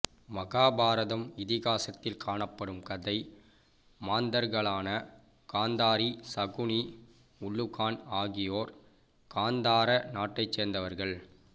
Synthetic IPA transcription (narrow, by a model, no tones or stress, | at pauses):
mɐɣaːbaːɾɐðɐmɪðɪɣaːsɐt̪ːɪlkʰaːɳɐpːɐɽɯmkɐðɐɪ | maːnd̪ɐɾɣɐɭaːnɐ | kaːnd̪aːɾisɐɣʊɳi | ʊɭːʊɣaːnaːɣɪjoːɾ | kaːnd̪aːɾɐnaːʈːɐɪt͡ʃseːɾnd̪ɐʋɐɾɣɐɭ